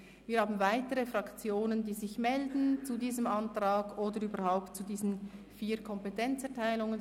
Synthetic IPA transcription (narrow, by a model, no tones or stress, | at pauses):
viːɐhaːbn̩vaɪtəʁəfʁɑkt͡sjoːnəndiːzɪçmɛldn̩t͡sudiːzəmʔantʁ̥aːɡʔoːdəɾyːbəhaʊp̚tt͡sudiːzən̩fiːkʰɔmpetʰɛnt͡sɛɐtʰaɪlʊŋən